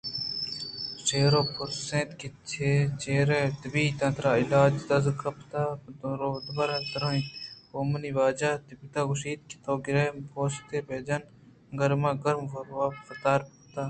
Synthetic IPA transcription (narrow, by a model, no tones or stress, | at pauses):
seːɾoːpʊsẽːt̪kit͡ʃʰet͡ʃeːɾeːt̪ɐbiːt̪ɐ̃nt̪ɾaːɪlaːd͡ʒd̪ɐzkɐpt̪aɾoːd̪bɐɾat̪ɐɾãːĩoːməniːʋaːd͡ʒaːt̪ipɪt̪aːɡʊʃiːt̪̚ki̥t̪oːɡɪɾeːmpoːst̪eːbeːd͡ʒɐn | ɡɐɾmãːɡɐɾmafət̪aːɾp | t̪aː